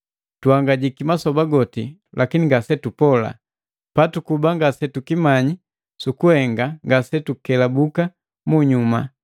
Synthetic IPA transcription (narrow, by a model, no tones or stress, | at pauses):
tuhaŋɡaɟikimasɔbaɡɔtilʔakiniŋɡasɛtupɔla̰ | patukubaŋɡasɛtukimaɲi | sukuhɛŋɡaŋɡasɛtukɛlabuka | muɲuma̰